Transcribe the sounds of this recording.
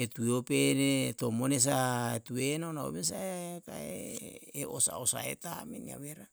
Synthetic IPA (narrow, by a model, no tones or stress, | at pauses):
etueopenetomones̬aetuenaonao̰mes̬aeaka̰ḛeosa̰osa̰ḛtamenia̰βeɾa